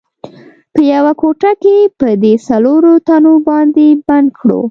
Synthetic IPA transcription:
pəjawakoʈakepəd̪esaloɾot̪anobɑnd̪eband̪kʰɽo̰

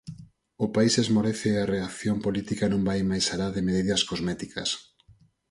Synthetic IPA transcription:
ʊpaisezmoɾɛθɪareaθjompolit̪ikanõŋbajmajsalaðɪmeðiðɐskozmɛt̪ikɐs

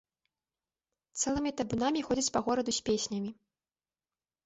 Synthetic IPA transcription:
t̪sɛlˠɨmʲit̪ɐbunamʲixɔd͡zʲɐt͡sʲpɐɣɔɾɐd̪usʲpʲesʲnʲɐmʲi

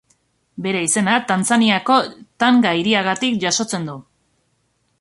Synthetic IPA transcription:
be̞ɾe̞ise̞nat̪ant͡saniako̞t̪aŋɡaiɾiaɣat̪ikʝaso̞t͡se̞nd̪u

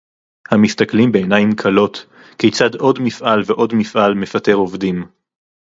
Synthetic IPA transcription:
hamistaklimbeenajimkʰalo̞t | kejt͡sado̞dmifʔalveʔo̞dmifʔalmefate̞ʁovdim

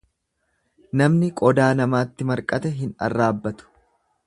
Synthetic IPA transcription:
nɐmnɪkʼɔd̪aːnɐmaːt̪ːɪmɐɾkʼɐt̪ɛɦɪnɐ̰rːaːbːɐt̪ʊ̥

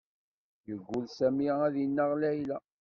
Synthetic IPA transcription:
jəɡʷːʊlsæmiæðinːəʁlæjlæ

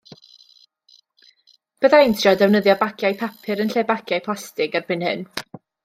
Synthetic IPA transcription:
b̥əðaɪntʰjɔdɛwnəðjɔbakʰjajpʰapʰɨɾənɬeːbakʰjajpʰlastɪɡarb̥ɪnhɨn

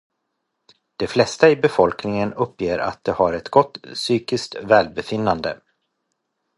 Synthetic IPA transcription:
d̪̥ɛflɛst̪aɪbɛfɔlknɪŋənɵpːjeːɾʔa̰t̪̚d̪ɛhaɾɛt̪ɡɔt̪ːsyːkɪskt̪vɛːlbɛfɪnːand̪ə̰

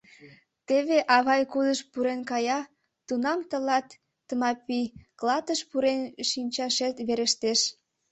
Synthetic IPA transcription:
t̪eβeʔɑβɑjkud̪əʃpuɾenkɑjɑ | t̪unɑmt̪əlɑt̪ː | əmɑpiklɑt̪əʃpuɾenʃinʲt͡ɕɑʃet̪βeɾeʃt̪eʃ

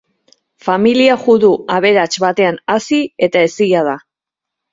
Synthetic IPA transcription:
familiaʝuðuaβ̞e̞ɾat͡ʃβat̪e̞anasie̞t̪ae̞siʝað̞a

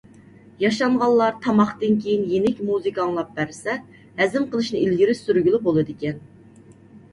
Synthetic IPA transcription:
jɑʃɑɴʁɑlˠːɑɾt̪ʰɑmɑχt̪ɨnkʲʰejinjenɪkʲmuzɨkʰɑŋlˠɑp̚bæɾsɛ | hɛzɪmqʰəlˠɨʃnɨilɡʲiɾɪyɾɡʲylˠubolˠɨd̪ɪkʲɛn

